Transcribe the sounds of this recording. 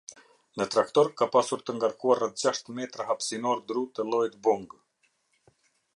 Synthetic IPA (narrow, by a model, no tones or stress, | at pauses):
nət̪ɾakt̪ɔɾkapasuɾt̪əŋɡaɾkuarɛθ̚d͡ʑaʃt̪əmɛt̪ɾaɦapsinɔɾd̪ɾut̪əlˠɔjt̪buŋɡ